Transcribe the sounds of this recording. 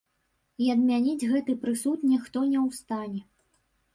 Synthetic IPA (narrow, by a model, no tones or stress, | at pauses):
iɐd̪mʲanʲid͡zʲɣɛt̪ɨpɾɨsut̪nʲɛxt̪ɔnʲɛwst̪anʲɛ